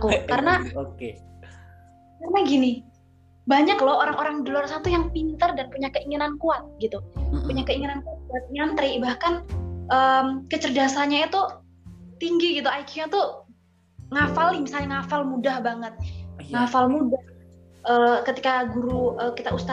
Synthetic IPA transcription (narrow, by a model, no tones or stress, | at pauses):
kukaɾənaoke | karənaɡini | baɲaklawoɾaŋoɾaŋdolʊrsat̪ujaŋpint̪ərdanpuɲakəiŋinankuat̪̚ɡit̪upuɲakəiŋinankuat̪̚kuat̪̚iŋinant̪əɾibahkanʔəːmkət͡ʃərdasaɲait̪u | t̪iŋɡiɡit̪uajkjuɲat̪u | ŋafalɪmisalɲaŋafalmudahbaŋət̪̚ŋafalmudah | ʔəːkət̪ikaɡuɾuəːkit̪aust̪a